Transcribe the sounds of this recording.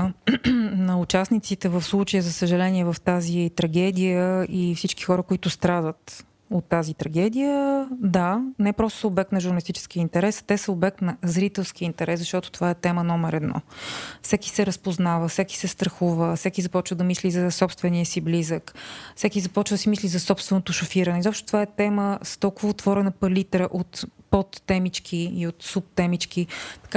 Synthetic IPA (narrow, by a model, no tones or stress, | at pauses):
nɐʊt͡ʃasnit̪sit̪ɛvəfslˠut͡ʃəjəzəsəʒɛlɛniɛvəft̪azit̪ɾɐɡ̟ɛd̪ijəifsit͡ʃkixɔɾəkoit̪ʊst̪ɾad̪ət̪ | ot̪ːazit̪ɾɐɡɛd̪ijəd̪anɛpɾɔst̪ʊ̥səobɛk̚t̪nɐʒʊɾnəlist̪it͡ʃɛ̥sk̟iəint̪ɛɾɛst̪ɛsəobɛk̚t̪nɐzɾit̪ɛlˠskiəint̪ɛɾɛszɐʃt̪ɔt̪ʊ̥t̪ovaɛt̪ɛmənɔmɛɾɛd̪nɔ̰fsɛki̥sɛɾəspoznavəfsɛki̥sɛst̪ɾɐxuvəfsɛkizɐpɔt͡ʃvəd̪ɐmislizɐsɔpst̪vɛniəsiblizəkfsɛkʲizɐpɔt͡ʃvəd̪əsimislizɐsɔpst̪vɛnot̪ʊʃʊfiɾənɛizɔpʃt̪o̥t̪ovaɛt̪ɛməst̪ɔlˠkʊvəʊt̪vɔɾɛnəpɐlit̪ɾəʔot̪pɔt̪ːɛmit͡ʃkʰiiot̪sup̚t̪ɛmit͡ʃkit̪ɐ̥ka